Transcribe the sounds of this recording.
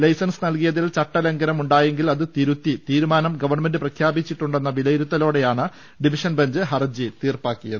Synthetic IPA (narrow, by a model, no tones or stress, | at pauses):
lɐjsɐnsɨnɐlkijɐðilt͡ɕɐʈːɐleŋɡɐɾɐmuɳɖaːje̞ŋɡilɐðɨt̪iɾut̪ːit̪iːɾumaːnɐmɡɐʋɐrɳme̞ndɨprɐkʰjaːbit͡ɕːiʈːuɳɖenːɐʋilɐjiɾut̪ːɐlo̞ːɽe̞jaːɳɨ | ɖiʋiʂɐnbɐɲd͡ʑɨɦɐrd͡ʑit̪iːrpaːkːijɐðɨ